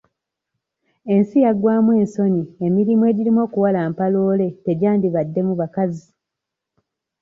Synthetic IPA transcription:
e̞nsijaɡwaːmwe̞ːnso̞niemiɾimwe̞ːɟiɾimwo̞ːkuwalaːmpaloːle̞te̞ɟaːndiβadːe̞muβakazi

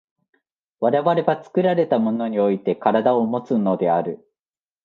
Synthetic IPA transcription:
βaɾe̞βaɾe̞bat͡sɨ̥kɯ̟ɾaɾe̞t̪amo̞no̞ɲ̟io̞it̪e̞kaɾad̪ao̞mo̞t͡sɨno̞d̪e̞aɾɯ̟

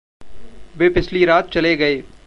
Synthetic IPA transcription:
beːpɪsʰliɾaːt̪̚t͡ʃɐleɡɐeː

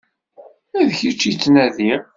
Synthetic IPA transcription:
æðçit͡ʃːit͡sːnæðiʁ

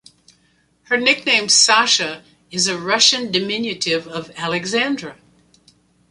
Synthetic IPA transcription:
hə˞nɪk̚nẽɪ̃m̥sɑʃɨ | ɨzɨɹʌʃɨ̃ndɨmɪ̃njɨɾɪvʌvælˠɨɡzæ̃ndɹɨ

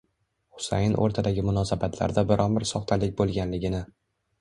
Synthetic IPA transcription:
χʊ̥sa̰jɪnʔo̰ɾt̪ʰad̪aɡʲɪmʊnɒsabat̪ʰla̰ɾd̪abɪɾʔɒnbɪɾsɒχt̪ʰalɪk̚ʲbolˠɡʲanlɪɡʲɪnɪ

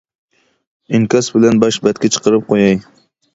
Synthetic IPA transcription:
ɪŋkʲɑsbɪlænbɑʃbɛt̪̚kʲʰɛt͡ʃʰə̥qəɾɨp̚qʰojɑj

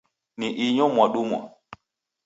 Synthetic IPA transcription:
niʔiɲɔ̃mwaɗumwa̰

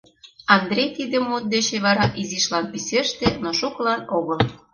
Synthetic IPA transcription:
ɑnd̪ɾʲejt̪id̪ə̆mːot̪̚d̪et͡ɕeβɑɾɑʔiziʃlɑnpiseʃt̪enoʃuklɑnoɣɤl

